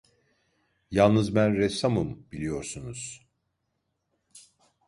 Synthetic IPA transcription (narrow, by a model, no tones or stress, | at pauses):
jalˠnɯzbænɾɛsamɯmbilʲijo̞ɾsunuz̥